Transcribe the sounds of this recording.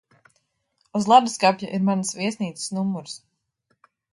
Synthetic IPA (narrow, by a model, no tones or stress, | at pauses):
uzlˠad̪uskapʲjaʔiɾmansviɛsniːt̪ɨ̥snumːuɾs